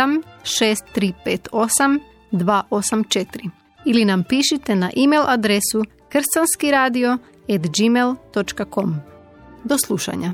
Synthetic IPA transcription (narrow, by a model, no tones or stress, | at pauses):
amʃeːst̪ːɾiːpeːt̪osam | d̪ʋaːʔo̞samt͡ʃet̪iɾi | ilinampiːʃit̪e̞naʔimelˠʔad̪ɾesu | kr̩st̪anskiɾaːd̪io̞ | ed̪d͡ʒimelˠt̪o̞t͡ʃkako̞m | d̪o̞slˠuʃa̰ɲa